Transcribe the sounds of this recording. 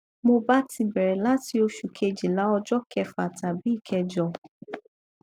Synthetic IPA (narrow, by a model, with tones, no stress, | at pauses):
mo˧ba˦ti˧bɛ˨ɾɛ˨la˦ti˧o˧ʃu˨kʰe˧d͡ʒi˨la˨˦ɔ˧d͡ʒɔ˦kʰɛ˧fa˨ta˨bi˨˦i˦˨kʰɛ˧d͡ʒɔ˧˨